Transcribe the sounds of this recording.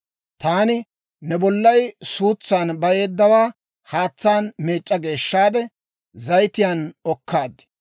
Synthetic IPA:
t̪aːnɪ | nɛbɔlːɐjsuːt͡sːaːnbɐje̞ːd̪ːɐwaː | haːt͡sːaːnmeːt͡ʃʼːɐɡe̞ːʃːaːd̪ɛ | zɐjt̪ɪjaːnɔkːaːd̪ɪ̥

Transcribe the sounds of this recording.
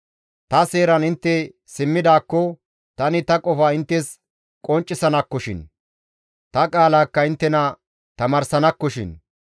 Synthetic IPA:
t̪ɐse̞ːɾɐnɪnt̪ːɛ | sɪmːɪd̪aːkːɔ | t̪ɐnɪt̪ɐkʼɔfaːɪnt̪ːɛs | kʼɔnt͡ʃʼːɪsɐnɐkːɔʃɪ̰n | t̪ɐkʼaːlaːkːɐɪnt̪ːɛnɐ | t̪ɐmɐːɾsɐnɐkːɔʃɪ̰n

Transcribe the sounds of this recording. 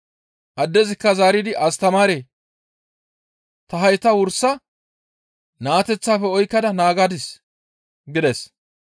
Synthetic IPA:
ʔɐd̪ːɛzɪkːɐzaːɾɪd̪ɪʔɐst̪ɐmaːɾe | t̪ɐɦɐjt̪ːɐwʊɾsːɐ | naːt̪ɛt͡sːaːfɛɔjkːɐd̪ɐnaːɡad̪ɪs | ɡɪd̪ɛs

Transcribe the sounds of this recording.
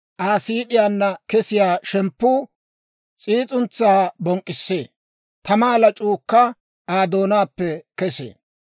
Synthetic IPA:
ʔaːsiːɗɪjaːnːɐkɛsɪjaːʃɛmpːuː | t͡sʼiːt͡sʼʊnt͡sːaːbɔŋkʼːɪsːeː | t̪ɐmaːlɐt͡ʃʼuːkːɐ | aːd̪o̞ːnaːpːɛkɛsḛː

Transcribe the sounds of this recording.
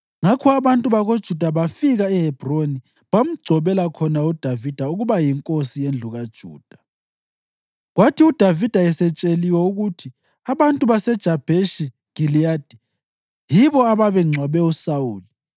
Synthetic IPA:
ŋakʰɔaβantʼuβaɣod̥ʒ̥ʱud̥ʱaβafiɣaɛhɛb̥ʱroni | βam̩ɡ͡ǀ̥ʱɔβɛlakʰɔnaud̥ʱavid̥ʱauɣuβajiŋkʼosijend͡ɮʱuɣad̥ʒ̥ʱṵːd̥ʱa | ɣwatʰiud̥ʱavid̥ʱaɛsɛt͡ʃʼeliwɛuɣutʰi | aβantʼuβasɛd̥ʒ̥ʱab̥ʱeʃi | ɡ̥ʱiliaːd̥ʱi | jiβɔaβaβɛŋ͡ǀʱwaβɛusawuːli

